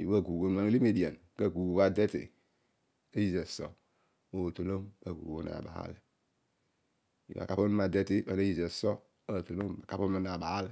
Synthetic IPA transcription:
jḭ˨˦wa˦˨ɡu˨wo˦n˦ma˦ŋ˦li˦me˨di˨a˨n | ka˨ɡu˨ba˨de˦tḭ˨ | a˦ji˦ze˨so̰˨ | o˨to˨lo˦mba˨ɡṵ˨wo˦na̰˨ba̰˨ha̰˦le˨ | ḭ˨ʔa̰˨ka˦po˦n˦a˨de˦ti˦ba˨a˦ji˨ze˨so˦ | a˨to˨lo˦mba˨ka˦po˦mi˦na˨ba˨ha˦l

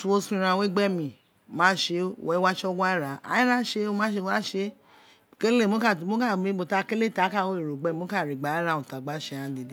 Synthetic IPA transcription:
tu˨o˧sĩ˧ɾã˧˨we˦ɡ͡bɛ˦mĩ˨ | mãː˦ʃe˧˨wɛ˨˦wa˦t͡ʃɔ˦ɡʷa˦i˦ɾa˨a̰˨˦i˦ɾã˦ʃe˧o˧˦mã˦ʃe˧˦a˦ʃe˧˦˨ | ke˦e˦˨mo˦ka˦˨mo˨˦ka˦˨me˨˦ɡ͡bo˨ta˧ke˦le˦˨ta˨˦ka˦˨wo˦e˨ɾo˨ɡ͡bɛ˦˨mo˨˦ka˦˨ɾi˨ɡ͡ba˨˦i˦ɾa˧˨õ˨ta˨ɡ͡ba˦ʃe˧˦ã˨˦de˨de˦

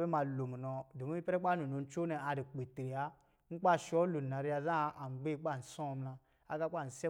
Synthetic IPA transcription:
bɛ˦ma˨lo˨mu˨nɔ˨do˨mi˦i˦pɛ˦ɾɛ˦k͡pa˦nu˨no˨n̩˦t͡ʃo˦nɛ˨a˨di˨k͡pe˨tɾi˨a˦ | n̩˦k͡pa˦˨ʃɔ˦lu˨na˨ɾi˦a˧zã˦˨a˨ŋ͡mɡ͡be˦˨˦k͡pa˦˨n̩˨sɔ̃˦˨˦mlã˧ | a˦ɡa˦k͡pa˦˨n̩˨sɛ˦

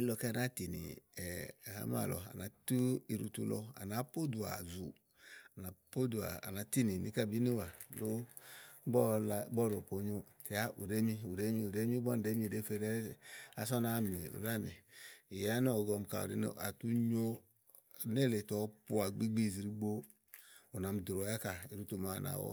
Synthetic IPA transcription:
i˦lɔ˧kɛ˦˨na˦ti˨nḭ˨ɛ˨ha̰˦m˦a̰˦˨lɔ̰˨a̰˨na˨˦tu˦i˧ɾṵ˧tu˧˦lɔ̰˧a̰˨na˨˦po˦du˨a̰˨zu˨ | a˨na˨po˦du˨a̰˨a̰˨na˨ti˦˨ni˨ni˨˦ka˦˨bi˦ni˦wa˨lu˦ | bɔ˦la˧˦bɔ˦˨ɾo˨po˨˦ɲo˧ti˨a˦ʔu˨ɾe˦mi˧˦u˨ɾe˦mi˧u˨de˦mi˦bɔ˦n˨de˨˦mi˧˨de˨˦fe˧ɾe˦˨a˨sɔ˦na˦˨mi˨ṵ˨ɾa˦˨mḭ˨i˨ja˦n˦ɔ˦˨ɡɔ˧˨m˨ka̰˨ɾḛ˨˦n̰˦˨a˨tu˦ɲo˦ | ne˦˨le˨tɔ˨pu˦a˨ɡ͡bi˦ɡ͡bi˦˨zi˨ɾi˧ɡ͡bo˦ | u˨na˨m˨du˨ɾo˨˦ja˦ka˨i˨ɾu˦tu˧ma˨a̰˨na̰˨wɔ̰˦

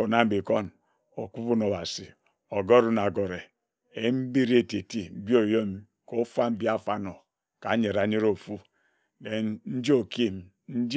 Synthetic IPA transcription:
o˨na˦m̩˦bi˨ko˦n | o˨ku˦bu˦no˨ba˨si˨ | o˨ɡo˦ɾu˦na˨ɡo˨ɾe˨ | e˨˦m̩˦bi˦ɾe˦˨te˨ti˦m̩˦bi˦o˨jo˦m˦ | ko˦fa˦m̩˦bi˦a˦fa˦no˨ | ka˨˦ɲe˨ɾa˨ɲe˦ɾo˦˨fu˦ | ne˨nn̩˦d͡ʒi˦o˨ki˦m˨ | n̩˦d͡ʒ

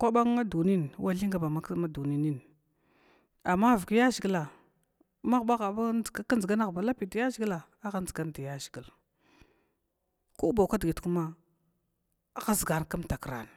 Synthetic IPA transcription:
kʷa˦ɓa˦ŋː˦a˦du˨ni˦nwʔa˦ɬi˦ŋɡa˨ba˨ma˦ma˦du˨ni˦ni˦n | a˨mːa˦˨vu˨ki˦ja˦ʒi˨ɡi˦la˨ | ma˦ɣɓa˦ɣa˨ba˦˨ɡa˦ka˦n˨ɡa˦na˦ɣba˨la˦pi˨da˨ja˦zɡi˦la˨ | a˦ɣa˦n˦d͡zi˨ɡa˦n˨da˨ja˦zi˨ɡi˨l | ku˦ba˨ka˦dɡi˨tku˦ma˦˨ | ɣa˦zɡa˨nka˦mta˨kɾa̰˨n˨

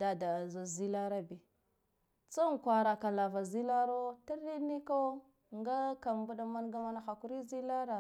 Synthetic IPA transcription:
da˨da˨za˨zi˦la˦ɾa˦bi˨ | t͡sa˦ŋ˨kʷa˨ɾa˨ka˨la˨va˨zi˦la˦ɾo˦ti˦ɾi˦ni˦ko˦ | ŋɡa˦ka˨mbu˦ɗa˦ma˦nɡa˦ma˦na˦xa˨ku˦ɾi˦zi˦la˦ɾa˨

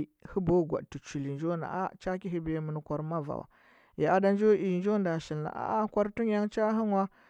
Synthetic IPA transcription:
hi˦bo˦ɡʷa̰˨ɗ̚ti˨t͡ʃu˨li˨nd͡ʒo˦na̰˨ʔa̰˦t͡ʃa˦ki˦ɦi˦be˦mə˨n˦kʷa˨ɾma˦va̰˨wa̰˨ | ja˨a˦da˦nd͡ʒo˦ʔi˨nd͡ʒo˦nda˨ʃi˨lna̰˨ʔa̰˦a˦kʷa˦ɾtu˦ŋ˦ja˦ŋt͡ʃa˦ɦi˦ŋwa˦

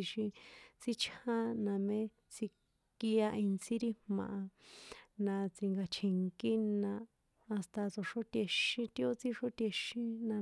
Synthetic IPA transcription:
i˧ʃĩ˧t͡si˦t͡ʃʰã˦nã˧mẽ˦ | t͡si˧ | ki˧a˧i˧nsi˦ɾi˦mmã̰˨ʔa˧ | nã˧t͡si˧ŋɡa˧t͡ʃʰi˨ŋki˦nãː˧ | st̪a˧t͡so˨ʂo˦t̪e˧ʃĩ˧t̪i˦o˦t͡si˦ʂo˦t̪je˧ʃĩ˦nã˧

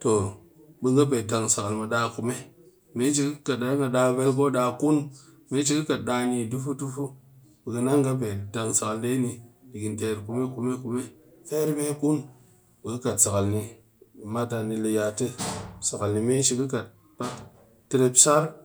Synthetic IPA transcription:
to˨ | bə˨ɡa˦p̬e˨da˨ŋsa˨ka˨lma˨ɗa˨ku˨me˦ | me˦t͡ʃi˨kɨ˦ka˨tda˨˦ŋa˨ɗa˧ve˦lko˦ɗa˧ku˦n | me˦t͡ʃ̬i˨kɨ˦ka˨t̚ɗa˧ɲi˨du˦fu˦du˦fu˦ | bə˨ɡə˨na˦ŋɡa˦p̬e˨da˨ŋsa˨ka˨lde˦ni˨di˨ɡi˨nte˨ɾku˨me˦ku˨me˦ku˨me˦ | fe˦ɾme˦ku˦n | bə˨ɡə˦ka˨tsa˨ka˨lni˨ | ma˦ta˧ni˨le˧ja˨tɨ˦sa˨ka˨lni˨me˦t͡ʃi˨ki˦ka˨t̚ | pa˦k | te˦ɾe˦psa˦ɾ

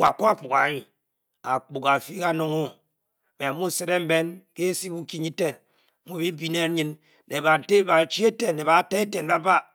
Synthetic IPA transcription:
wa˨ko˦a˦˨k͡pu˨ka˨˦ɲi˨ | a˨k͡pu˨ka˨fi˦ka˦no˦ŋo˦˨ | be˨a˨mu˦˨se˦ɾe˦m̩˦be˦nke˦si˦bu˦ki˦ɲi˦te˦n˨˦ | mu˦˨bi˦bi˦ne˦ɲɨ˦n | ne˨ba˨te˦ba˨t͡ʃi˦e˦te˨e˨ba˨˦te˦e˦te˨n˦ba˦ba˦

